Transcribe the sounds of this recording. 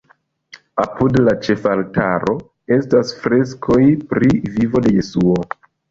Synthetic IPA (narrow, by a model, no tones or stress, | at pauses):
apudlat͡ʃe̞faltaɾo̞ | e̞stasfɾe̞s̬kʰo̞jpɾivivo̞de̞je̞suo̞